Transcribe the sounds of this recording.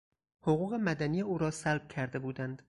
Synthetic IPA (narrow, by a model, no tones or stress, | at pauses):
hoɣuːɣe̞mæd̪ænijeuːɾɒːsælb̥̚cʲʰæɾd̪e̞buːd̪ænd̪̥